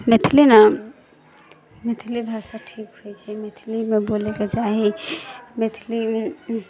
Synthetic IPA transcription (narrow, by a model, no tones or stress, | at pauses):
met̪ʰilina | met̪ʰilibʱasaʈʰikɦojt͡ʃʰɛmet̪ʰilimeboleked͡ʒaɦi | met̪ʰili